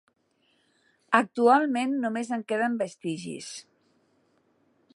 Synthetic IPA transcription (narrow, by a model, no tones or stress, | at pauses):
ək̚t̪ualˠmenːumezəŋkeðəmbəst̪iʒḭs